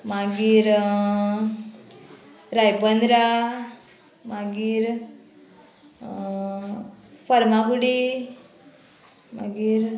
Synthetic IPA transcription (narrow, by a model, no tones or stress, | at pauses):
maɡiːɾ | ɾajpənd̪ɾa | maɡiːɾ | fəɾmakuɽi | ma̰ɡiːɾ